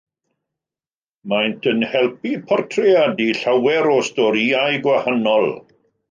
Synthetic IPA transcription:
majntʰənhɛlˠpipʰɔrtʰrɛjadiɬawɛɾɔstɔɾiajɡwahanɔlˠ

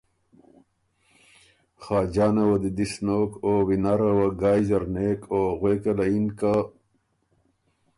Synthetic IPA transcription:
xaːd͡ʑaːnɐwɐd̪id̪isnokoːwinaɾɐwɐɡaːjzɐɾneːkoɣweːkɐlɐinka

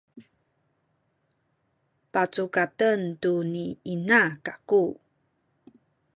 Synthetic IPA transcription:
pat͡sukatəntuniinakaku

